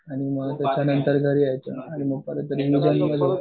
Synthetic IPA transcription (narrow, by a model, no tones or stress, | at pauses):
aɽ̃iməɡt̪jat͡ɕanənt̪əɾɡʱəɾiːajt̪əaɽ̃iməɡ̚pəɾət̪ːəɾiʋid͡ʑannəɡʱə